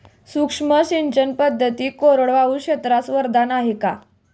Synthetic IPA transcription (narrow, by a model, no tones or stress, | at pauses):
sukʂməɕind͡ʑənpəd̪ʱːət̪iːkoɾəɽʋaʋuɕet̪ɾasʋəɾd̪ʱanaɦeka